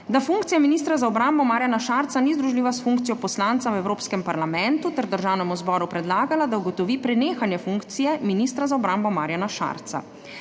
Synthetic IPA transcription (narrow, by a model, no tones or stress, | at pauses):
d̪afuŋkt̪ijaminiːst̪ɾazaɔbɾambɔmaːɾjanaʃaɾt̪sanizd̪ɾuʒliːʋasfuŋk̚t̪sijɔpɔslant̪sawɛwɾoːpskɛmpaɾlamɛnt̪ut̪ɛɾd̪əɾʒawnɛmuzbɔɾupɾɛd̪laːɡalad̪auɡɔt̪ɔʋiːpɾɛneːxanjɛfuŋkt̪sijɛminist̪ɾazaɔbɾambɔmaːɾjanaʃa̰ɾt̪sa̰